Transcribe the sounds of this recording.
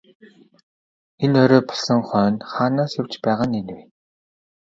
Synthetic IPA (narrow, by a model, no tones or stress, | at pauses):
enœɾɔːpɔ̥ɮɞ̆ŋχœːnχaːnaːsjʊw̥t͡ɕpæːʁaːnenwe